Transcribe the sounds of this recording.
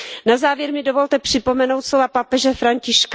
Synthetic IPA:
nazaːvjɛɾmɪdovo̞lt̪ɛpr̥ɪpo̞mɛno̞wt̪sovapapɛʒɛfɾaɲcɪʃk

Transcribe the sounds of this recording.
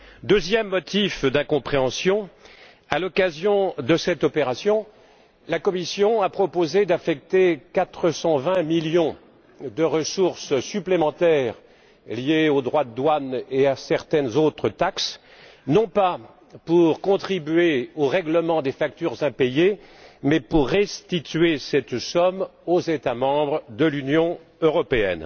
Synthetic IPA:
d̪øzjɛmːɔt̪ifd̪ɛ̃kɔ̃pχeɑ̃sjɔ̃ | alɔkazjɔ̃d̪əsɛt̪ɔpeʁasjɔ̃ | lakɔmisjɔ̃apχɔpozed̪afɛk̚t̪ekat̪χəsɑ̃vɛ̃miljɔ̃ | d̪əʁəsuʁssyplemɑ̃t̪ɛʁ | lijeod̪ʁwad̪əd̪waneasɛʁt̪ɛnzot̪χət̪aks | nɔ̃pa | puʁkɔ̃t̪χibɥeoʁɛɡləmɑ̃d̪efakt̪yʁzɛ̃pejemɛpuʁːɛst̪it̪ɥesɛt̪sɔmozet̪amɑ̃bʁəd̪əlynjɔ̃ | øʁɔpeɛ̰n

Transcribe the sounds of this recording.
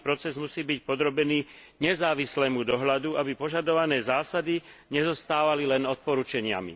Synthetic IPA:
pɾɔt͡sɛzmusiːbicpɔd̪ɾɔbɛniː | ɲɛzaːʋislɛːmud̪ɔɦʎad̪uabipɔʒad̪ɔʋanɛːzaːsad̪iɲɛzɔst̪aːʋalilɛnɔt̪̚pɔɾut͡ʃɛɲɪa̰mḭ

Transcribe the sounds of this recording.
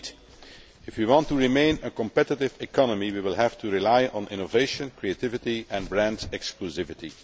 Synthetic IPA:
ɪfwiwɑ̃ntuɹimẽɪ̃nəkɔ̃mpɛtɪtɪvɪkʰɑnəmiwiwɪlˠɦæftʰuɹilaɪɔ̃nʔɪ̰̃noveɪʃə̃nkɹietɪvɪtiʔɛ̃nbɹæ̃ndzɛkskluzɪvɪti

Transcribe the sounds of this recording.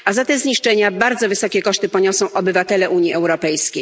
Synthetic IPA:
ʔazat̪ɛmzɲiʂt͡ʂɛɲabaɾd̪zɔvɘsɔkʲɛkɔʂt̪ɘpɔɲɔsɔ̃w̃ʔɔbɘvat̪ɛlɛʔuɲiʔɛwɾɔpɛjskʲej

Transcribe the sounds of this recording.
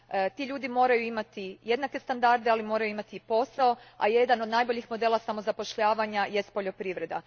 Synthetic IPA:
t̪iʎuːd̪imo̞ːɾajuimat̪ije̞d̪nake̞st̪and̪aɾd̪ealimo̞ːɾajuimat̪iːpo̞sao̞a̰je̞d̪ano̞d̪najbo̞ʎixmo̞d̪e̞ːlˠasamo̞zapo̞ʃʎaːʋaɲaje̞st̪̚po̞ʎo̞pɾiʋɾe̞d̪a

